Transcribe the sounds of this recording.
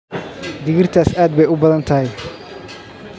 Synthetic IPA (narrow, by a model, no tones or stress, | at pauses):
d̪ɪɣɪrt̪ʰaːsaːd̪̚bɛjʊbɐðɐnt̪ʰɐɦɛj